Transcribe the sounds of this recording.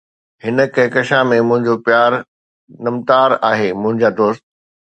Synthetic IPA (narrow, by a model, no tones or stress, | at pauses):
hɪnə̆kɐɦkɐʃamẽmʊ̃ɦɪ̃ɲd͡ʑopjaːɾ | nɐmt̪aːɾaːɦemʊ̃ɦɪ̃ɲd͡ʑaːd̪oːst̪̚